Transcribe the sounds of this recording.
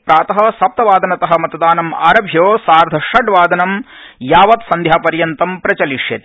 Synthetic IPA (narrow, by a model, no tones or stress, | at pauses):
pɾaːt̪ɐɦɐ̆sɐp̚t̪ɐʋaːd̪ɐnɐt̪ɐɦɐ̆mɐt̪ɐd̪aːnɐma̰ːɾɐbʱjoːsaːɾd̪ʱɐʂɐɖʋaːd̪ɐnɐmjaːʋɐt̪sɐnd̪ʱjaːpɐɾjɐnt̪ɐmpɾɐt͡ʃɐliʂjɐt̪e̥